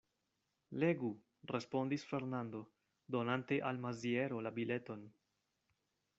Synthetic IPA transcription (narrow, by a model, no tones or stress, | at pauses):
le̞ɡu | re̞spo̞ndisfe̞ɾnand̪o̞ | d̪o̞nante̞ʔalmazie̞ɾo̞labile̞to̞n